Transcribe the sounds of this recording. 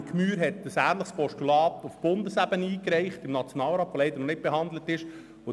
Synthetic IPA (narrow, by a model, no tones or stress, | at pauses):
kmyːɾɦɛt̚d̥əsæːnləχspɔʃtulɑːtufb̥ʊndəsæbəniːkɾɛɪχtɪmnɑt͡sjonɑːlɾɑːtʋolɛɪd̪əɾnɔnɪt̚b̥ɛɦɑnd̪lətɪʃ | o